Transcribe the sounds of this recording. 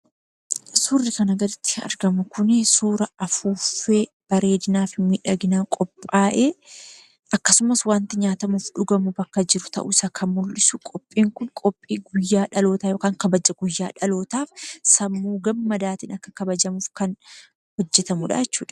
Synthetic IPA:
suːrːɪkɐnɐɡɐd̪ɪt̪ːɪ̥ɐ̰ɾɡɐmɐkʊnɪsuːɾɐɐfuːfe̞ː | b̥ɐɾe̞ːd̪ɪnaːfɪmiːᶑɐɡɪnaːkʼɔpʼːaːʔeː | ɐkːɐsʊmɐswaːnt̪ɪɲaːt̪ɐmuːfᶑʊɡɐmuːbɐkːɐd͡ʒɪɾʊt̪ɐ̰ʔṵsɐkʰɐnmʊlːɪsʊkʼɔpʼːiːŋkʊnkʼɔpʼːiːɡʊjːaːᶑɐlo̞ːt̪aːjo̞ːkaːŋkɐbɐd͡ʒɐɡʊjːaːᶑɐlo̞ːt̪aːfsɐmːuːɡɐmːɐd̪aːt̪ɪːnɐkːɐ̥kɐbɐd͡ʒɐmuːfkɐn | hɔd͡ʒːɛt̪ɐmʊᶑa̰jɛt͡ʃːuːᶑɐ̥

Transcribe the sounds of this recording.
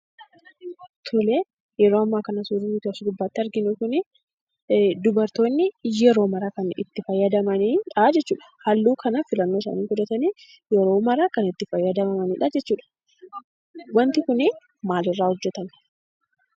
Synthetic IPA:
t̪ʰɔleː | jɛɾoːɐmːaːkɐnɐsuːɾɪnit̪aːsɪd̪ʊbːaːt̪ːɪɐɾɡɪnukʊnɪ | d̪ʊbɐɾt̪o̞ːnːɪɛɾo̞ːmɐɾakɐnɪ̰t̪ːɪfɐjːɐd̪ɐmɐniːᶑɐd͡ʒɛt͡ʃːuːᶑɐ̥hɐlːuːkɐnɐfɪlɐnːoːs̬ɐ̰ːniːŋɡʊd̪ɐt̪ɐniː | jɛɾo̞ːmɐɾakɐnɪt̪ːɪfɐjːɐd̪ɐmɐmɐniːᶑɐd͡ʒɛt͡ʃːuːᶑɐ̥ | wɐnt̪ɪkʊnɪ | maːlɪrːaːhʊd͡ʒːɛt̪ɐn

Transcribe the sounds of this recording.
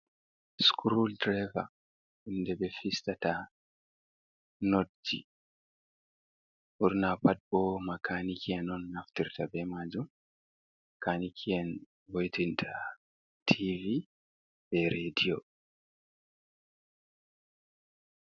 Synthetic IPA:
skʰɾuldɾava | undɛbɛfistata | nod͡ʒi | ʔuɾnapat̚bɔmakʰanikʰiɛnɔnːaftiɾtʰabɛmad͡ʒum | kanikʰiɛn | wojtintʰa | tʰivi | bɛɾedio

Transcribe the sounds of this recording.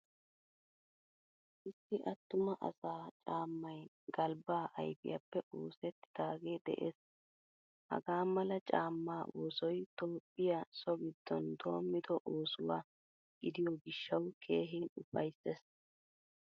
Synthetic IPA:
ʔɪsːɪʔɐt̪ːʊmɐʔɐ̰saːt͡ʃʼaːmːɐj | ɡ̥ɐlbaːʔɐ̰jfɪ̰jɐpːɛʔo̞ːsɛt̪ːɪ̥d̪̥aːɡeːd̪ɛ̰ʔeːs | hɐ̰ɡaːmɐlɐt͡ʃʼaːmːaːʔoːsɔjt̪oːpʼːɪjɐsɔɡɪd̪̥ːɔnd̪o̞ːmːɪd̪ɔʔoːsʊwaː | ɡ̥ɪd̪ɪjɔɡɪʃːɐwkʰe̞ːɦɛnʊfɐjses

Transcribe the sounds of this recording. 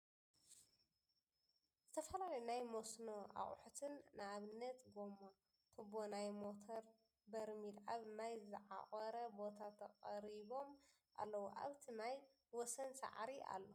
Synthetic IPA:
zɨt̪ʰɐfɐlalɐjunajmosno̞ʔa̰χʼħut̪ʰɨnːɨaβɨnːɐt̪ɡomːo | t̪ʰɨbonajmo̞t̪ʰoɾ | bɐɾmilʔaβnajzɨʕa̰χʼɐɾɐbo̞t̪ʰat̪ʰɐkʼɐɾiβo̞m | ʔa̰lːɐwuʔa̰βt̪ʰinaj | wɔsɐnsa̰ʕɾia̰lːo

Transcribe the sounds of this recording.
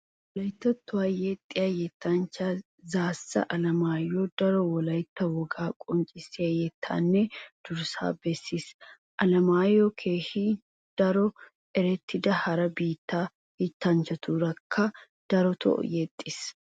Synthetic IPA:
wɔlɐjt̪ːɐt̪ːʊwajɛt̪ʼːɪjɐjɛt̪ːant͡ʃa | zaːsːɐ̰ʔɐlɐmaːjod̪̥ɐɾɔwɔlɐjt̪ːɐwɔɡaːkʼɔnt͡ʃʼɪsːɪjɐjɛt̪ʰːa̰ːnːɛd̪̥ʊɾsa̰ːbɛsːis | ʔɐlɐmaːjokʰeːhi | d̪̥ɐɾɔ | ɛɾɛt̪ʰːɪd̪ɐhɐɾɐbiːt̪ːaː | hɪt̪ːɐnt͡ʃɐt̪ʰuːɾɐkʰːɐ | d̪̥ɐɾɔt̪ʰɔ̰ʔjɛt̪ʼːɪs

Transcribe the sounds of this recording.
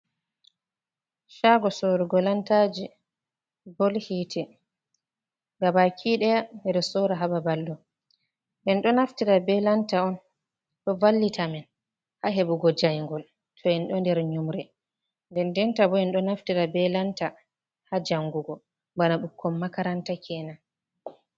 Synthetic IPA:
ʃaɡɔsɔɾuɡɔlantad͡ʒi | bɔlhiːtʰɛ | ɡabakʰiɗɛjanɛɾɛsɔɾaɦababalːɔ | bɛnɗɔnaftiɾabɛlantaɔn | ɗɔvalːitʰamɛn | haɦɛbuɡɔd͡ʒajŋɡɔl | tʰɔɛnɗɔndɛɾɲumɾɛ | ndɛndɛntabɔɛnɗɔnaftiɾabɛlanta | had͡ʒaŋɡuɡɔ | banaɓukːɔmːakaɾantakʰɛːna

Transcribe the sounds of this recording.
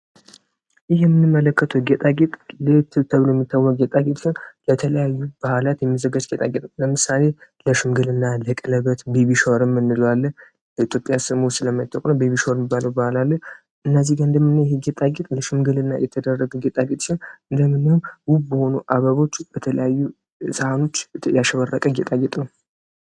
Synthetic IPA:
jɪɦjɛmɨnːɨmːələkːət̪ʰəwɡet̪ʼaɡet̪ʼlət̪ʰɨt̪ʰəβlojɛmːit̪ʰːawːɔkʼɡet̪ʼaɡet̪ʼʃɪnlət̪ʰələjajːub̥əhlat̪jɛmːizəɡad͡ʒɡet̪ʼaɡet̪ʼləmɨsale̞ləʃɨmɡɨlɨnːaləkʼɨləβət̪beβiʃoɾɨmːɨnːɨlalːəh | it̪jo̞pʼjasɨmusɨləmːat̪ʰːəkʼnəbeβiʃɾmibːaləwbahlalːəh | ʔɨnːəzihɡaɨnd̪əmɨnːəjɛheɡɛt̪ʼaɡɛt̪ʼləʃɨmɡɨlɨnːa̰jɛt̪ʰəd̪ərːəɡəɡɛt̪ʼaɡet̪ʼʃinɨnd̪əmːɨnəhumwubbəho̞nuʔaβəβo̞t͡ʃːb̥ət̪ʰələjajːu | səhano̞t͡ʃːjaʃəβərːəkʼəɡɛt̪ʼaɡɛt̪ʼnəw

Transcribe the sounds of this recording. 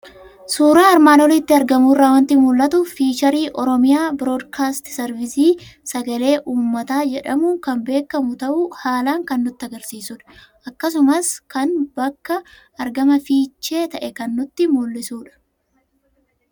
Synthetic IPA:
suːɾaːɐɾmaːnɔlɪt̪ːɪɐɾɡɐmuːrːaːwɐnt̪imʊlːɐt̪ʊfiːt͡ʃɐɾiːʔɔɾɔmɪjaːbɾo̞ːd̪kʰaːst̪sɛɾvɪsiːsɐɡɐle̞ːʔuːmːɐt̪aːd͡ʒɛᶑɐmʊkɐmbe̞ːkːɐmʊt̪ɐʔʊhaːlaːŋkɐnːʊt̪ːɪɐɡɐɾsiːsʊᶑɐ̥ | ʔɐkːɐs̬ʊmɐskɐnbɐkːɐ | ɐɾɡɐmɐfiːt͡ʃːe̞ːt̪ɐʔɛkɐnːʊt̪ːɪmʊlːɪsuːᶑɐ̥

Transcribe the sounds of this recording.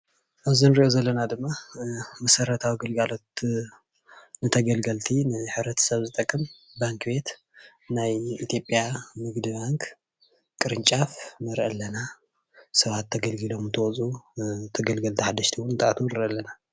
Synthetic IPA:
ʔaβzinɨɾiʔozɐlːɐnad̪ɨmːamɐsɐɾɐt̪ʰawiɡɐlɡalo̞t̪ | nɨt̪ʰɐɡɐlɡɐlt̪ʰinɨħɨβɾɐt̪ʰɐ̥sɐβzɨt̪ʼɐkʼːɨm | baŋkbe̞t̪ | najit̪ʰjo̞pʼjamɨɡd̪ɨbaŋk | kʼːɨɾɨnt͡ʃʼafnɐɾʔɐlːɐna | sɐβat̪ʰːɐɡɐlɡɨlo̞mnt̪ʰɐwɔt͡sʼut̪ʰɐɡɐlɡɐlt̪ʰiħad̪ːɐʃt̪ʰiwunɨt̪ʼaʔat̪ʰunɨɾʔɐlːɐna

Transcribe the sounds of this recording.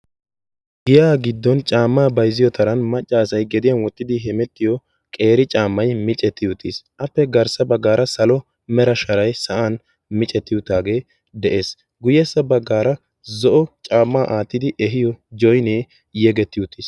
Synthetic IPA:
ɡɪjaːɡɪd̪ːɔnt͡ʃʼaːmːaːbɐjzɪjɔt̪ʰɐɾɐnmɐt͡ʃʼːaːsɐjɡɛd̪ɪjɐnwɔt̪ːɪd̪ɪɦɛmɛt̪ːɪjɔ | kʼeːɾɪt͡ʃʼaːmːɐjmɪt͡ʃʼɛt̪ːɪjʊt̪ːisʔɐpːɛɡɐɾsɐbɐɡːaːɾɐsɐlɔ | mɛɾɐʃɐɾɐjsɐʔaːn | mɪt͡ʃʼɛt̪ːɪjʊt̪aːɡeː | d̪ɛʔe̞ːs | ɡʊjɛsːɐbɐɡːaːɾɐ | zɔʔɔt͡ʃʼaːmːaːʔaːt̪ːɪd̪ɪʔɛɦɪjɔd͡ʒɔjneː | jɛɡɛt̪ːɪjʊt̪ːiːs

